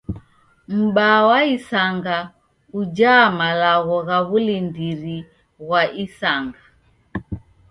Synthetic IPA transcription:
m̩ɓawaisaŋɡa | ud͡ʒamalaɣɔɣaβulindiɾi | ɣwaʔisaŋɡa

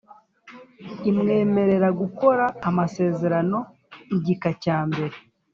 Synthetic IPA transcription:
imŋe̞ːme̞ɾe̞ɾaɡuko̞ɾaːmase̞ːze̞ɾano̞ | iɟikacaːmbe̞ɾe

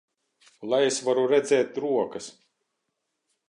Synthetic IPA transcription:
lˠajesvaɾuɾɛd̪zɛːt̪̚ɾuɔkɐs

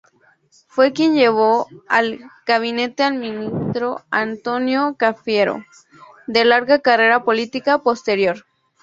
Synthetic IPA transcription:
fwekjenjeβ̞oalɡaβ̞inet̪ealmĩnist̪ɾoant̪onjokafjeɾo̰ | d̪elaɾɣakareɾapolit̪ikapost̪eɾjoɾ

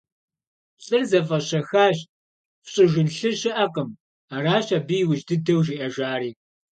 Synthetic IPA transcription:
ɕʼɨrzɐfʼɐɕɐxaːɕ | fɕʼɪʒʷʊnɬɨɕɪʔɐqʼəm | aːraːɕɐbijwʊʒdɨdɐwʒiːʔɐʒaːriː

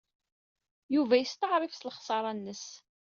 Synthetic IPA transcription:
juvæjəst̪əʕɾˤifsləχsˤɑɾˤɑnːəs

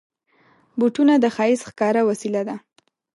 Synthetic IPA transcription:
buʈunad̪əxɑjisxkɑɾawasilad̪a

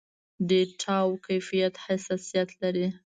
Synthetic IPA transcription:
d̪eʈʰɑwkajfijat̪hasasijat̪laɾi

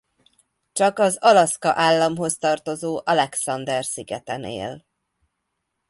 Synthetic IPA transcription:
t͡ʃɒkɒzɒlɒskɒʔaːlːɒmɦo̞st̪ɒrt̪o̞zoːʔɒlɛksɒnd̪ɛrsiɡɛt̪ɛnḛːl

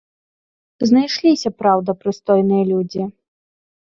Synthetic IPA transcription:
znajʂlʲisʲɐpɾawd̪ɐpɾɨst̪ɔjnɨjɐlʲud͡zʲi

